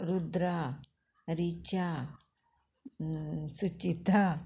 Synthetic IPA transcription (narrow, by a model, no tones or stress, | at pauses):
ɾud̪ɾa | ɾit͡ʃa | sut͡ʃit̪a